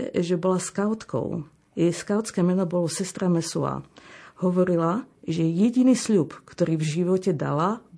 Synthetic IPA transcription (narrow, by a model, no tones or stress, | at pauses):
ʒɛbɔlaskaʊt̪kɔ̰ʊ | jɛjskaʊt͡skɛːmɛnɔbɔlɔsɛst̪ɾamɛsua̰hɔʋɔɾilaʒɛjɛɟiniːsʎuːpkt̪ɔɾiːvʒiʋɔcɛd̪a̰lab